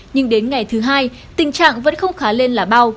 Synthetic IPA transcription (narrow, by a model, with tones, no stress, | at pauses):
ɲɨ˧ŋɗe˨˦nŋa˨˩jt̪ʰɨ˨˦ɦaː˧j | t̪ï˨˩ŋt͡ɕa̰ː˧˨ŋvə̰˧˥nxə˧wŋ͡mxaː˨˦le˧nlaː˨˩ɓa˧w